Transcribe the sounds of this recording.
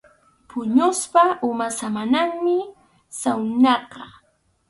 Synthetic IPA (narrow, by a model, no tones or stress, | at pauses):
pʰʊɲʊspaʔʊmasamanaŋmɪ | sawnɑqɑ